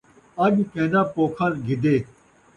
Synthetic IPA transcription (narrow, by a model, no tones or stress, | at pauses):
ɐɡkẽːɖ̪aːpoːkʰaːlɡʱɪd̪eː